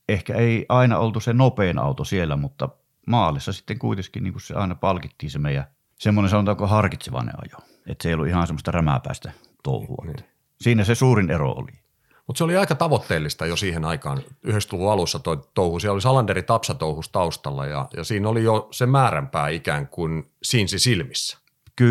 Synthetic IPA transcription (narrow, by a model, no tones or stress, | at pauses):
ehkæeˑiʔɑˑinɑ̰olt̪usenopeːnʔɑ̰ˑut̪osielːæmut̪ːɑ | mɑːlisːɑsit̪ːeŋkuit̪eskˑiːnniːŋkussḛɑ̰ˑenɑpɑlkit̪ːiːnsemeˑjæ | semːonensɑnot̪ɑkkohɑrkit̪seʋɑ̰nḛʔɑ̰jo | ḛt̪ːˑæseˑijolːuʔihɑnsemːˑost̪ɑræmæ̰pæ̰ˑest̪æ | t̪o̰ˑuhṵɑ̰ːe̥ | siːnæsesuːrinero̰o̰li | mut̪seoliɑikɑt̪ɑʋot̪ːeːlːist̪ɑjosiːhenɑikɑːnyhekst̪luʋuɑlusːɑt̪oit̪ouhusielolisɑlɑnderit̪ɑpsɑt̪ouhust̪ɑust̪ɑlːɑ̰jɑ̰jɑsiːnolijosemæːræmpæˑːikæːŋkun | siːnsisilmisːæ̥ | ky